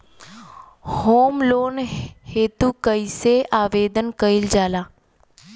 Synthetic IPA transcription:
hoːmloːnheːt̪ukəiseʔaːʋeːd̪ənkəild͡ʒaːlaː

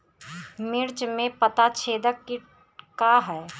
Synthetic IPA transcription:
mɪɾt͡ʃmẽpət̪at͡ʃʰeːd̪əkːɪ | kaɦɛː

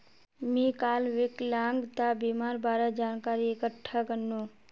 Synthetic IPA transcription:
mĩːkaːlʋɪklãːŋɡt̪abiːmaːɾbaːɾad͡ʒaːnkaːɾiekəʈʰːakənːũː

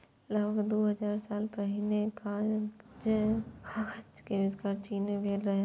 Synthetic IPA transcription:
ləbʱəɡd̪oːɦəd͡ʒaːɾsaːlpəɦɪnekad͡ʒəkʰaːkʰət͡ʃkeʋɪskaːɾt͡ʃiːnẽbʱeːlɾɐɦe

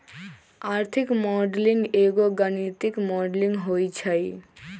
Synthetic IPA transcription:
aɾt̪ʰikmɔɖliŋɡeɡoɡanit̪ikmɔɖliŋɦojt͡ɕʰaj

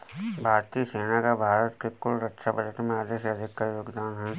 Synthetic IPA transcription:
bʱaːɾt̪iseːnakabʱaːɾət̪kekʊlɾɐkʃabəd͡ʒəʈmẽaːd̪eʃeɐd̪ʱɪkːajoːɡd̪aːnɦɛ

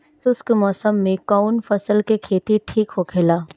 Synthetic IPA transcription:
sʊskmɔːsəmːẽkaːʊnfɐsəlkekʰeːt̪iʈʰiːkɦokʰelaː

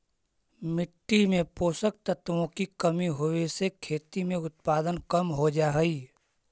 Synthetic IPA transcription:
mɪʈːimẽpoːsək̚t̪ət̪ʋõkikəmiɦoesekʰeːt̪imẽʊt̪̚paːd̪ənkəmɦod͡ʒaːɦəiː

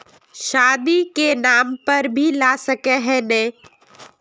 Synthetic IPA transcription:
ʃaːd̪ikenaːmpɐɾbʱilaːsɐkeɦɛ̃nɛ̃ː

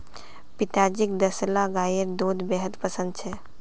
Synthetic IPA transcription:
pit̪ad͡ʒik̚d̪əslaɡajəɾd̪od̪beɦəd̪pəsə̃nd̪t͡ʃʰɛ

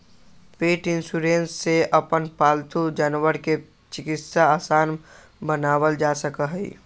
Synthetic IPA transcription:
peːʈɪnsuɾẽːnsːeʔəpənpaːlt̪ud͡ʒənwəɾke | t͡ʃɪkɪt̪saaːsaːn | bənaːwəld͡ʒaːsəkəɦɛḭ

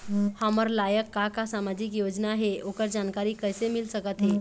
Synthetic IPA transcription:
haməɾlajəkːakasamad͡ʑikjod͡ʑnaɦeʔokəɾd͡ʑankaɾiːkəjsemilsəkət̪ɦe

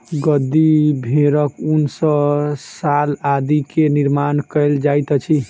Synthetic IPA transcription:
ɡəd̪ːibʱeɾəkunsəsalad̪ikeniɾmankəɪld͡ʒajt̪t͡ʃʰi

